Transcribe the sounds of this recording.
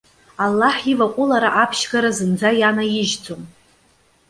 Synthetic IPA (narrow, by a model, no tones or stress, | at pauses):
alːaħivaqʷʼʊlaɾaʔapʰʃɡaɾazɨnd͡zajanajɪʒt͡sʰʼom